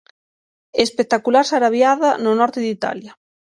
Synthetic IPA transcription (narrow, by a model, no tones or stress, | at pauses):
espek̚t̪akulaɾsaɾaβjaðanʊnɔɾt̪ɪðit̪a̰ljɐ